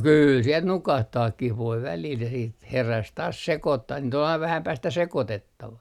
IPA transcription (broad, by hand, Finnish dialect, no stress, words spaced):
kyːl siel nukɑhtɑːkːih ʋoi ʋælil jɑ siːt heræs tɑːs sekotːɑh niːt ol ɑiʋ ʋæhæm pæːstæ sekotetːɑʋɑ